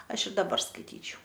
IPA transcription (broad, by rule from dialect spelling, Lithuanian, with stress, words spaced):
ˈɐʃ ɪr dɐˈbɐr skɐɪˈtʲiːt͡ʃʲɛʊ